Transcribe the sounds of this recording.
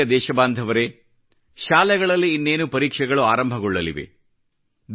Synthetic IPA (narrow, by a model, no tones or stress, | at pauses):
ɐd̪ɛːʃɐbaːnd̪ʱɐʋɐɾe̞ | ʃaːlɛɡɐɭɐlːiːnːe̞ːnupɐɾiːkʂɛɡɐɭuaːɾɐmbʱɐɡɔɭːɐliʋḛ | d̪